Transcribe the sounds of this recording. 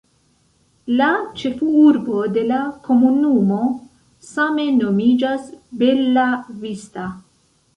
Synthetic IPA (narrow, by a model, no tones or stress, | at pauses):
lat͡ʃe̞fuuɾbo̞de̞lako̞munumo̞ | same̞no̞mid͡ʒasbe̞lavista